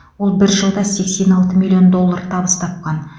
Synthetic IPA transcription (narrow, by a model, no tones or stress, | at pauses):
wo̞lˠbɪɾʒəlˠd̪ɑse̞kse̞nɑlˠt̪əmilʲːijo̞nd̪o̞lˠːart̪ʰɑβəst̪ʰɑp̚qɑn